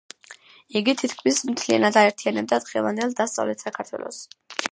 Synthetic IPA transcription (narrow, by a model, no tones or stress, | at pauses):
iɡit̪ʰit̪kʰmismt̪ʰlia̰nad̪aɛɾt̪ʰianɛb̚d̪ad̪ʁɛ̰vˠand̪ɛlˠd̪ast̪sʼa̰vlɛt̪ʰsakʰaɾt̪ʰwɛ̰lˠɔ̰s